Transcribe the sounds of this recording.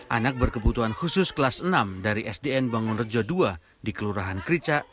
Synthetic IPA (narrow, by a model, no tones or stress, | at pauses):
ʔanak̚bərkəbut̪uɦanhusʊsklasənamdaɾiʔɛsdeɛnbaŋʊnrəd͡ʒɔdua | dikəluɾaɦankɾit͡ʃaʔ